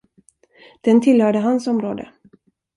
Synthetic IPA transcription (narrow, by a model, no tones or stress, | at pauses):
d̪̥ɛnt̪ʰɪlhœːɖəɦansɔmɾoːd̪ə̰